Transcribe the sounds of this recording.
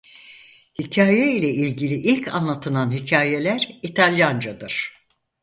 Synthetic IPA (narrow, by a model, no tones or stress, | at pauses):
hicʰaːjeilʲɛilʲɟilʲiʔilʲcʰa̰nlˠat̪ʰɯlˠanɦicʰaːje̞lʲæɾit̪ʰalʲjand͡ʒad̪ɯɾ̥